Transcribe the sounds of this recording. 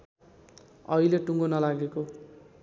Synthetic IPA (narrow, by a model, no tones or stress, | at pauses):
ʌileʈuŋɡonʌlaɡeko